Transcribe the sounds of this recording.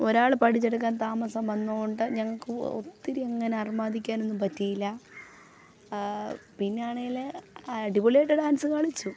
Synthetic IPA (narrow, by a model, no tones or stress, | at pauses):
o̞ɾaːɭpɐʈit͡ɕːɐɽɐk̬ːaːnt̪aːmɐsɐmʋɐnːooɳɖɨɲɐŋːɐɭkɨo̰t̪ːiɾieŋːɐne̞ɐrimaːd̪ikʲːaːne̞nːumpɐtːijilːɐ | pinːeaːɳeileɖiboleːʈːɨɖaːnsɨkaːɭit͡ɕːu